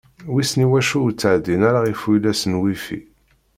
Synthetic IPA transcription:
wisniwæʃuwt͡sːaʕd̪inæɾaʁifujlæsənwifḭ

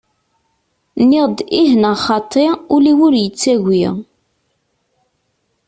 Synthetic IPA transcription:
nːɪʁd̪ihnəχɑt̪ˤʰːeʁʊliwʊɾjət͡sːæʝʷiʁ

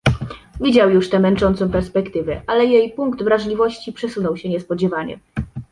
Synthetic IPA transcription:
vʲid͡ʑawjuʂt̪ɛmɛnt͡ʂɔnt̪sɔ̃w̃pɛɾspɛkt̪ɘvɛʔalɛjejpuŋkt̪vɾaʐlʲivɔɕt͡ɕipʂɛsunɔwɕɛɲɛspɔd͡ʑɛvaɲɛ̰

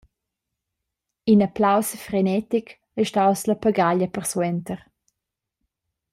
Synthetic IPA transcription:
inaplawsfrenɛt̪ik | ɛʃtawsləpaɡaʎəpərswɛnt̪əɾ

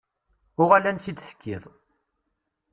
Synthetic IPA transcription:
ʊʁalænsid̪θə̥kːḭðˤ

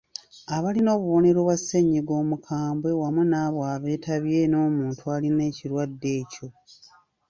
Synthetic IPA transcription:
aβalino̞ːβuβo̞ne̞ɾo̞ːβwasːeɲːiɡo̞ːmukʰaːmbwe̞wamunaːβwaːβe̞ːtʰaβje̞no̞ːmuːntʰualine̞ːciɾwadːe̞ːco̞

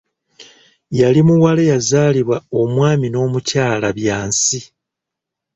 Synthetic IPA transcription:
jalimuwalejazaːliβwao̞mwaːmino̞ːmucaːlaβjaːnsi

